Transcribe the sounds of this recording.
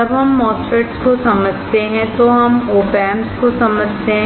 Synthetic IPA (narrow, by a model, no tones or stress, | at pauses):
ɐbɦɐmːɔːsəʈskosɐməd͡ʒʱt̪eɦɛ̃t̪oɦɐmoːpɛːmskosɐməd͡ʒʱt̪eɦɛ̃